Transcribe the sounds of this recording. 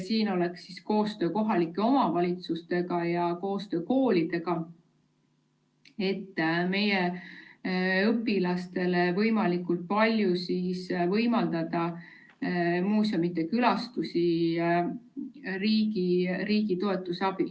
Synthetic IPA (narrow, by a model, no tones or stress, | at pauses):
siːno̞le̞ksisko̞ːst̪ø̞ːko̞ɦɑlikːˑe̞o̞mɑvɑlʲit̪sust̪e̞ɡ̥ɑjɑko̞ːst̪ø̞ːko̞ːlid̪̥e̞ɡ̥ɑ | e̞t̪ːˑme̞je | ɤpːˑilɑst̪e̞le̞vɤ̞jmɑlikːult̪̚pɑlʲjusiːsvɤjmɑld̪̥ɑd̪̥ɑ | muːso̞mit̪ːe̞kylɑst̪usʲi | riːɡiɾiːɡ̥it̪o̞e̞t̪ːˑusɑb̥il